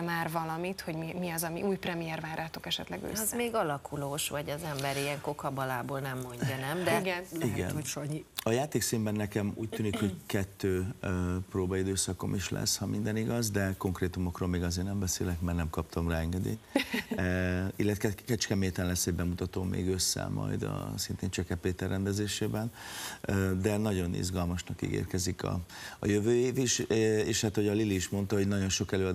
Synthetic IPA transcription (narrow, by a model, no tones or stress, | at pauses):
maːrvɒlɒmit̪ho̞ɟmimiɒzɒmiʔuːjprɛmijɛrvaːɾaːt̪okɛʃɛt̪lɛɡø̰ːsɛzmeːɡɒlɒkʰuloːʃvɒɟɛzɛmbɛɾiɛŋko̞kɒbɒlaːboːlnɛmːoɲːɒnɛmd̪ɛɡɛniɡɛ̰noʃoɲiɒjaːt̪eːksiːmbɛnːɛkɛmṵːc̚t̪yːnikho̞ɟkɛt̪ːøːproːbɒid̪øːsɒko̞̰miʃlɛ̰shɒmʔind̪ɛniɡɒzd̪ɛko̞ŋkreːt̪umokroːlmeːɡɒzeːrnɛmbɛsḛːlɛkmaːrnɛmkɒpt̪ʰɒmraːɛŋɡɛd̪ḛːt̪ | ilːɛt̪ɛkɛt͡ʃkɛmeːt̪ɛnlɛsːɛɟbɛmut̪ɒt̪oːmʔḛːɡøsːɛ̰mɒ̰jd̪ɒ̰sint̪eːnt͡ʃɛkɛpːeːt̪ɛrːɛnd̪ɛzeːʃeːbɛnød̪ɛnɒɟo̞nḭzɡɒlmɒʃnɒkḭːɡḛːrkɛzikɒ̰ːjøvøːjeːviʃeːʃhat̪ho̞ɟɒliliːʃmo̞nt̪ɒɦo̞ɟnɒɟo̞nʃo̞kɛløːɒd̪